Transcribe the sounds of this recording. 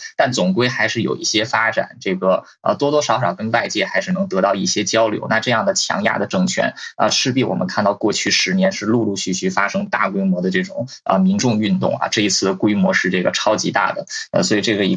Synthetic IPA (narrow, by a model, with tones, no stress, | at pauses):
t̪a˥˩nt͡sʊ˨˩ŋkwe˥ɪxa˧˥ɪʂɻ̩˥˩jo̰˨˩ʊḭ˥˩ɕjɛ˥fa˥ʈ͡ʂa̰˨˩˦nʈ͡ʂɤ˥˩ɡə˩ | ə̰˧t̪wɔ˥t̪wɔ˥ʂɑ˧˥ʊʂɑ˨˩ʊkə˥nwa˥˧ɪt͡ɕjɛ˥˩xa˧˥ɪʂɻ̩˥˩nɤ˧˥ŋt̪ɤ˧˥t̪ɑ˥˧ʊi˥˩ɕjɛ˥t͡ɕjɑ˥ʊljo̰˧˥ʊna˥˧ʈ͡ʂɤ˥˧jɑ˥˩ŋd̪ə˩t͡ɕʰjɑ̰˧˥ŋja̰˥˩d̪ə˩ʈ͡ʂɤ˥˩ŋt͡ɕʰɥɛ̰˧˥nə̰˧ʂɻ̩˥˧pi˥˩wɔ̰˨˩mə̰˧˦nkʰa˥˧nt̪ɑ˥˧ʊkwɔ˥˧t͡ɕʰy˥˩ʂɻ̩˧˥njɛ˧˥nʂɻ̩˥˧lu˥˧lu˥˧ɕy˥˩ɕy˥˩fa˥ʂɤ˥ŋt̪a̰˥˩kwe˥ɪmwɔ˧˥d̪ə˧ʈ͡ʂɤ˥˩ʈ͡ʂʊ˨˩ŋ | ə̰˧mi˧˥nʈ͡ʂʊ˥˧ŋy˥˧nt̪ʊ̰˥˩ŋɐ̰˩ʈ͡ʂɤ˥˩i˧˥t͡sʰɹ̩˥˩d̪ə˩kwe˥ɪmwɔ˧˥ʂɻ̩˥˧ʈ͡ʂɤ˥˩ɡə˩ʈ͡ʂʰɑ˥ʊt͡ɕḭ˧˥t̪a̰˥˩d̪ə̰˩ə̰˧swɔ˧˥i˨˩ʈ͡ʂɤ˥˩ɡə˩i˧˥